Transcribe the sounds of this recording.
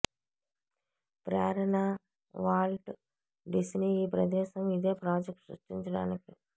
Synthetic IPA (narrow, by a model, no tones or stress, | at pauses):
pɾaːɾɐɳa | ʋaːlʈ | ɖisniiːpɾɐd̪ɛːʃɐmid̪eːpɾaːd͡ʒek̚ʈsɾṵʂʈiɲt͡ʃɐɽa̰ːniki